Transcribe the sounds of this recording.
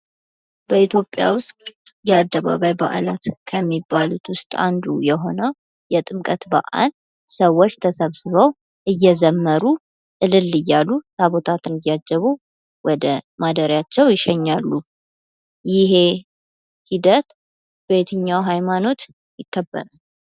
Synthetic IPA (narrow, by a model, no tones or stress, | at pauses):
bəit̪jo̞pʼːja̰wʊst̪ʼtjɛad̪ːəβa̰βajba̰ʔalat̪kʰəmːibːalut̪wʊst̪ʼa̰nd̪ṵjɛɦo̞nəw | jɛt̪ʼɨmkʼət̪ba̰ʔa̰l | səwːot͡ʃːt̪ʰəsəβsɨβəw | ʔɨjːɛzəmːəɾu | ʔɨlɨlːɨjːalːut̪ʰaβo̞t̪ʰat̪ʰɨnɨjːad͡ʒːəβu | wʔɔd̪əmad̪əɾjat͡ʃːɛwjɪʃɛɲːalːu | jɪɦe̞ | hid̪ət̪ | b̥et̪ʰɨɲːawɦajmano̞t̪ | jɪkːəbːə̰ɾal